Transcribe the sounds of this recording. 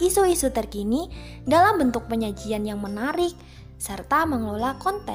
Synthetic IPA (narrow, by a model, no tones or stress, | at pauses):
isuisut̪ərkinidalambənt̪ʊk̚pəɲad͡ʒianjaŋmənaɾɪk̚ | sərt̪aməŋlolakɔnt̪ɛ